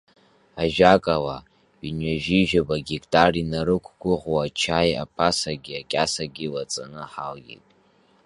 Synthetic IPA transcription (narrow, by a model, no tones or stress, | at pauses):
aʒᶣakʼawa | inɥaʒiʒᶣabaɡʲikʼtʼarinaɾɨkʷʰɡʷʊʁwat͡ʃʰaja̰pʰasaɡʲiakʲʼasaɡʲiwat͡sʼanɨħalɡʲḭtʼ